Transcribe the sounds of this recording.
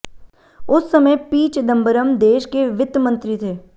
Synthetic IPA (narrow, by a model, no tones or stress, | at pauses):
ʊsːɐməjpiːt͡ʃd̪ɐ̃mbəɾəmd̪eːʃkeʋɪt̪mə̃nt̪ɾit̪ʰeː